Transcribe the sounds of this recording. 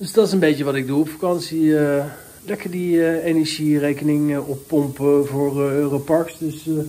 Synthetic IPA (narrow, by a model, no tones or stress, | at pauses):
døsdɑtɪsənbejtəʋɑtɪɡ̚duɔpfḁkɑnsiə | lɛkəɹdienɛɹʒirejkənɪŋɔpːɔmpvʊːrropɑɹksdøs